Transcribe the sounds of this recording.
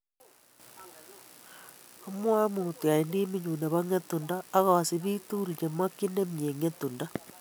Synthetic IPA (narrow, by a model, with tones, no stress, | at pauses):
o˦mwa˦mutu˨a˨i˨ndi˦mi˦ɲu˨na˨βa˦ŋe˦tu˨ndaː˦ɣa˨si˨βi˦tu˦ɾi˨ɲe˨ma˦ki˦ne˦mie˨ŋe˦tu˨nda˦